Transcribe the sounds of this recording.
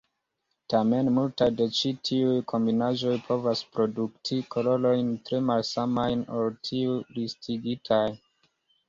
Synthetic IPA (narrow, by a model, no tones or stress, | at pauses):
tame̞nmultajde̞t͡ʃitʰiujkʰo̞mbinaʒo̞jpʰo̞vaspɾo̞duktʰikʰo̞ɾo̞lo̞jntɾe̞malsamajno̞ltʰiulistʰiɡitʰaj